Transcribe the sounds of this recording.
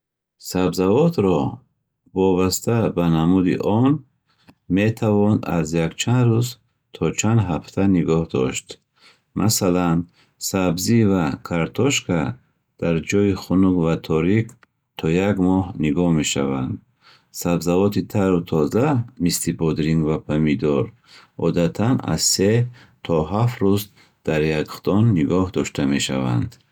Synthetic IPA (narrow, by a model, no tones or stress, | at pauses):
sabzavɔt̪ɾɔ | vɔbast̪ʰabanamud̪ḭʔɔn | met̪ʰavɔnd̪a̰zjakt͡ʃʰand̪ɾuz | t̪ʰɔt͡ʃʰand̪ɦaft̪ʰaniɡɔhd̪ɔ̰ʃt̪ | mʔa̰salan | sabzivakʰaɾt̪ʰɔʃkʰa | d̪̥aɾd͡ʒɔjiχunuɡvat̪ʰɔɾik | t̪ʰɔjaɡmɔhniɡɔhme̞ʃa̰vand̪ | sabzavɔt̪ʰit̪ʰaɾut̪ʰɔzamislibɔd̪ɾiŋɡvapʰamid̪ɔɾ | ɔ̰d̪at̪ʰana̰zse | t̪ʰɔɦafɾuz | d̪̥aɾjaɡχt̪ɔnːiɡɔhd̪ɔʃt̪ʰame̞ʃa̰va̰nd̪